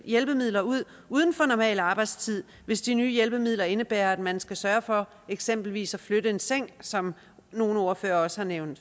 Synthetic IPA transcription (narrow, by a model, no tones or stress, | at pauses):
jelb̥əmið̰ˠlɐuð̞̰ˠ | uːð̞ˠn̩fɒ̽nɒmɛ̰ːlɑ̈ːb̥ɑ̈ɪ̰d̥st͡sʰið̞̰ˠ | ʋe̝sd̥inyːjelb̥əmið̞̰ˠlɐe̝nəb̥æːɐæd̥mænsɡ̥æsɶɐfɒ̽ | eɡ̥sem̰b̥l̩ʋḭːsæfløɾ̥əe̝nseŋ̰sɒ̽m | no̝ːn̩ɒɐføːɐɒ̽səhɑ̈neʊnd̥